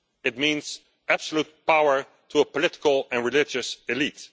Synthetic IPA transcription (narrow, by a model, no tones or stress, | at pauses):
ɨt̚mĩnz̥ | æb̥səlut̚paʊə˞ | tʰuəpəlɪtɪ̥kəl̩ˠɛ̃nɹɪlɪd͡ʒɨsɪlit